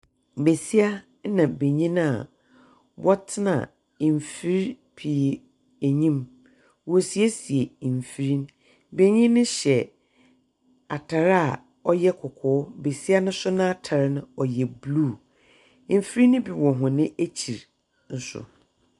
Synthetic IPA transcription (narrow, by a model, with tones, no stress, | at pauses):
be˨si˦a˦ | nã˨be˨ɲĩ˦n˦a˨ | bɔ˦tʰɪ˦nã̰˨ | m˨fi˦ɾ | pʰi˨ | æ˨ɲĩ˦m | wɔ˨si˨e˦si˨e˨ɱ˨fi˨˦ɾi˦n | be˨ɲĩ˦nɪ̃˦ɕɛ˨ | a˨tʰa˨ɾa˨ | ɔ˦jɛ˦kʰʊ˨kʰʊː˨˦be˨si˦a˦nʊ̃˦sʊ˦nã˦a˦˨tʰa˨ɾnʊ̃˦ɔ˨jɛ˨blu˦˨ | m̩˨fi˦ɾi˦nʊ̃˦bi˨wɔ̃˨ɦʊ̃˨nɪ̃˦ʔæ˦t͡ɕʰi˨ɾ | n̩˨sʊ̰˨